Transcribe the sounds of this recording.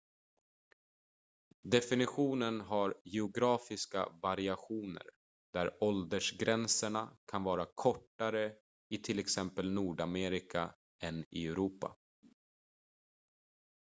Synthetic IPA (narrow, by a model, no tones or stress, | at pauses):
d̪ɛfɪnɪɧuːnənɦaɾjɛʊɡɾɑːfɪska̰vaɾɪaɧuːnə̰ɾ | d̪̥æɾɔld̪əʂɡɾɛnsəɳakʰanvɑːɾakʰɔʈːaɾə | ɪt̪ʰɪlɛksɛmpəlnuːɖameːɾɪkʰa̰ | ʔɛnɪ̰ɛɾuːpa̰